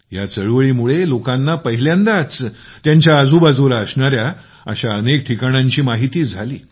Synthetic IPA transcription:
jat͡səɭʋəɭiːmuɭelokãnːapəɦiljãnd̪at͡st̪jãɲt͡ɕjaəd͡zʱubad͡zoɾaəsɳaɾja | ə̰ɕaənek̚ʈʰikaɳ̃ãɲt͡ɕiːmaɦit̪iːd͡zʱaliː

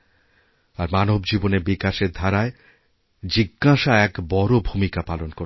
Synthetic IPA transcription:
aɾmanobd͡ʑibonebikaʃeɾd̪ʱaɾae | d͡ʑiɡːaʃaɛkbɔɾobʱumikapalonko

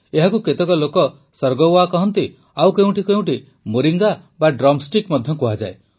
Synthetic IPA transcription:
eɦakuket̪ekɔlokɔ | sɔɾɡɔwakɔɦɔnt̪i | awkeũʈikeɦũʈi | moɾiŋɡabaɖɾɔmsʈikmɔd̪ʱjɔkuɦad͡ʒa̰e

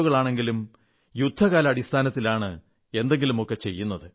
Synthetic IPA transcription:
ɣɐɭaːɳe̞ŋɡilum | jud̪ʱːɐɣaːlɐɐɽist̪ʰaːnɐt̪ːilaːɳɨ | e̞nd̪e̞ŋɡilumo̞kːe̞t͡ɕe̞jːunːɐðɨ

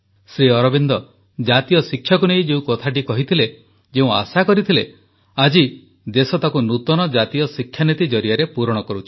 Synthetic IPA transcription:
sɾiɔɾɔbind̪ɔ | d͡ʒat̪ijɔsikʰːjakunejd͡ʒeũkɔt̪ʰaʈ̬ikɔɦit̪ʰile | d͡ʒeũa̰sakɔɾit̪ʰile | ad͡ʒi | d̪esɔt̪akunut̪ɔnɔd͡ʒat̪ijɔsikʰːjanit̪id͡ʒɔɾijaɾepuɾɔɽ̃ɔkɔɾut͡ʃʰi̥

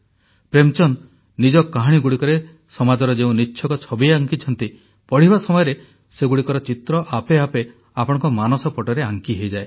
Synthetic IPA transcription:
pɾemt͡ʃɔnː | id͡ʒɔkːaɦaɽ̃iɡuɽikɔɾe | sɔmad͡ʒɔɾɔd͡ʒeũnitːʃʰɔkɔt͡ʃʰɔbieaŋkit͡ʃʰɔnt̪i | pɔɽ̤ibasɔmɔjɔɾe | seɡuɽikɔɾɔt͡ʃit̪ɾɔʔapeape | apɔɽ̃ɔ̃ŋkɔmanɔsɔpɔʈɔɾeaŋkiɦejd͡ʒae

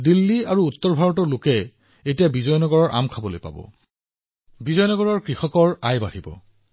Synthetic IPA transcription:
dilːiaɹuutːɔɹbʱaɹɔtɔɹlokɛ | etijabizɔjnɔɡɔɹɔɹʔa̰mkʰabɔlojpa̰bɔ̰ | bizɔjnɔɡɔɹɔɹkɹixɔkɔɹajbaɹibɔ̰

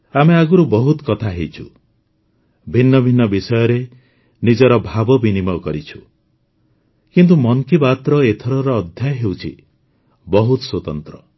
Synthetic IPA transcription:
ameaɡuɾubɔɦut̪kɔt̪ʰaɦejt͡ʃʰṵ | bʱinːɔbʱinːɔbisɔjɔɾe | nid͡ʒɔɾɔbʱabɔbinimɔkɔɾit͡ʃʰu | kint̪̬umɔŋkibat̪ɾɔet̪ʰɔɾɔɾɔːd̪ʱjajɔɦewt͡ʃʰḭ | bɔɦut̪swot̪ɔnt̪ɾɔ

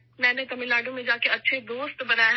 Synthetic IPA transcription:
mɛ̃ːnet̪ɐmɪlaːɖõmẽd͡ʒaːkeɐtːʃʰed̪oːst̪bɐnaːj

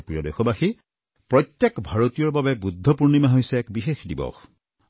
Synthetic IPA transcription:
pɹijɔdexɔbaxi | pɹɔt̪jekbʱaɹot̪ijɔɹbabɛbud̪ʱːɔpuɹnimaɦojsɛɛkbixexdibɔ̰x

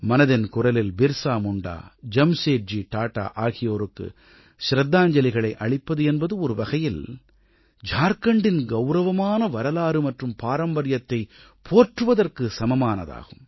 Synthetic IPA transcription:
mɐnɐðɪnkʊrɐlɪlbɪɾsaːmʊɳɖa̰ːd͡ʒɐmseːʈ̚d͡ʒiʈaːʈːa̰ːʔaːɣɪjoːɾɯkːɯ̰ | ʃɾɐd̪ːaːɲd͡ʒɐlɪɣɐɭɐɪʔɐɭɪpːɐðɯɛnbɐðɯɔɾɯʋɐɣɐjɪl | d͡ʒaːɾkɐɳɖɪnɡɐʊɾɐʋɐmaːnɐʋɐɾɐlaːɾɯmɐʈrɯmpaːɾɐmbɐɾɪjɐt̪ːɐɪ | pʰoːʈrɯʋɐðɐrkɯsɐmɐmaːnɐ̰ða̰ːɣɯm

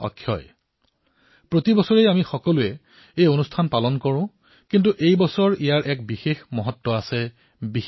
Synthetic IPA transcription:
ɔ̰kʰːjɔ̰j | pɹotibɔsɔɹejamixɔkɔlʊɛ | ejonustʰanpalɔnkɔɹʊ̃ | kint̬uʔejbɔsɔɹijaɹʔɛk̚bixexmɔɦɔtːɔasɛ | bi

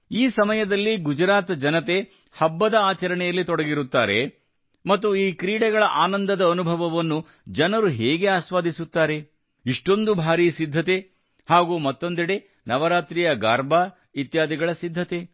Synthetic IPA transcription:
iːsɐmɐjɐd̪ɐlːiɡud͡ʒɾaːt̪d͡ʒɐnɐt̪e̞ | hɐbːɐd̪ɐaːt͡ʃɐɾɐɳɛjɐlːit̪ɔɽɐɡiɾut̪ːaːɾe̞ | mɐt̪ːuiːkɾiːɽɛɡɐɭɐʔaːnɐnd̪ɐd̪ɐːnubʱɐʋɐʋɐnːu | d͡ʒɐnɐɾuɦɛːɡe̞aːʃʋaːd̪ʱisut̪ːaːɾe̞ | iʂʈo̞nd̪ubʱaːɾiːsid̪ʱːɐt̪e̞ | haːɡuːmɐt̪ːo̞nd̪iɽe̞ | nɐʋɐɾaːt̪ɾijɐɡaːɾbʱaː | it̪jaːd̪iɡɐɭɐsid̪ʱːɐt̪e

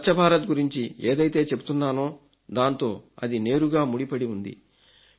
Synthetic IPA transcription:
ɐt͡ʃːɐbʱaːɾɐt̪ɡuɾiɲt͡ʃieːd̪ɐjt̪e̞ːt͡ʃe̞but̪unːaːnoː | d̪aːnt̪o̞ːɐd̪ine̞ːɾuɡaːmuɽipɐɽiund̪ḭ

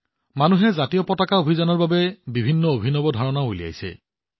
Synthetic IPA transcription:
manuɦɛzatijɔpɔtakaobʱizanɔɹbabɛbibʱinːɔobʱinɔbɔdʱaɹɔnaojlija̰jsɛ̰

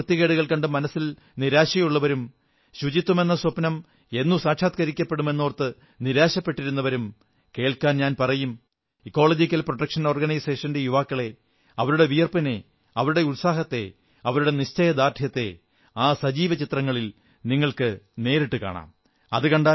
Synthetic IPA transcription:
ɨt̪ːjiɣeɽuɣɐɭkɐɳɖɨmɐnɐsːil | niɾaːɕɐjuɭːɐʋɐɾum | ɕud͡ʑit̪ːume̞nːɐsopnɐm | e̞nːusaːkʂaːt̪̚kɐɾikʲːɐpːe̞ɽume̞nːoːrt̪ːɨ | niɾaːɕɐpːe̞ʈːiɾunːɐʋɐɾum | ke̞ːɭkaːnɲaːnpɐrɐjum | ikːo̞ːɭɐd͡ʑikʲːɐlproʈːɐkʂɐno̞ːrɡɐnɐjseːʂɐndejuʋaːkːɐɭe̞ | ɐʋɐɾuɽe̞ʋijɐrpɐne̞ | ɐʋɐɾuɽe̞ulsaːɦɐt̪ːe̞̰ | ɐʋɐɾuɽe̞niɕt͡ɕɐjɐd̪aːrt̪ʰjɐt̪ːe̞ | aːsɐd͡ʑiːʋɐt͡ɕit̪rɐŋːɐɭil | niŋːɐɭkɨne̞ːɾiʈːɨka̰ːɳa̰ːm | ɐ̰ðɨkɐɳɖa

